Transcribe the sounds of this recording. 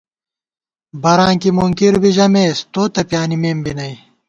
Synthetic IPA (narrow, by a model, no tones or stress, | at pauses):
bɐɾãːŋkimuŋkiɾbiʑɐmeːst̪oːt̪ɐpjaːnimeːmbinɐj